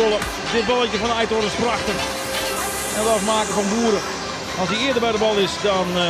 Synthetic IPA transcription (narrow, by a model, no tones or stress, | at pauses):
olˠə | dɪtbɔlˠɪtəfɔnɛjtoɾəspraxtər | ɛnətɔfmaːkəfɔnbuːəɾə | ɔlˠsdiɪədəbɛjdəbɔlˠɪsdɔn